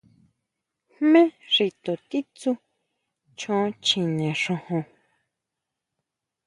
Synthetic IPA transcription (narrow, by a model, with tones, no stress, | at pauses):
hmẽ˦ʐi˧t̪o˨t̪i˦t͡su˦ | t͡ʃõ˧˦˧t͡ʃĩ˨nẽ˨ʂõ˧hõ˧